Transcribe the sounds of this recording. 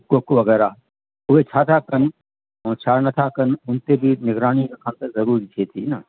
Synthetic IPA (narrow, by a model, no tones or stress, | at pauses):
kokʋɐɡɛːɾa | ʊɦet͡ʃʰaːt̪ʰakɐn | õːt͡ʃʰaːɾnɐt̪ʰakɐnʊnt̪ebʱinɪɡɾaːñikekʰãnt̪ɐzɐɾuːɾit͡ʃ̪ʰeːt̪ʰiːna